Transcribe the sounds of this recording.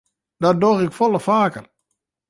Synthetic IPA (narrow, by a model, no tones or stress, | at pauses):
dɔdoɣɪkfɔləfaːkər